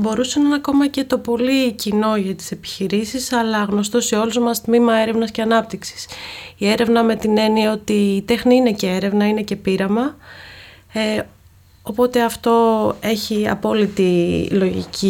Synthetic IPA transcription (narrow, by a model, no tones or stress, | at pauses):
bo̞ɾusenɐnɐko̞mɐce̞t̪o̞po̞licino̞ʝɐt̪i̥se̞pi̥çiɾisisɐlɐɣno̞st̪o̞seo̞luzmɐst̪mimɐe̞ɾe̞vnɐsce̞ɐnɐp̚t̪iksi̥sie̞ɾe̞vnɐme̞t̪ine̞nieo̞t̪iːt̪e̞xniine̞ce̞e̞ɾe̞vnɐine̞ce̞piɾɐmɐ | opo̞t̪e̞ɐft̪o̞e̞çiɐ̰po̞lit̪ilo̞ʝḭcʰi